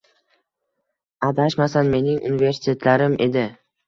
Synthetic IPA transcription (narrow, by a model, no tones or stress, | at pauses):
ad̪aʃmasanme̞nɪŋʔṵnive̞ɾsɪ̥t̪ʲʰe̞t̪ʰlaɾɪmʔe̞̰d̪ɪ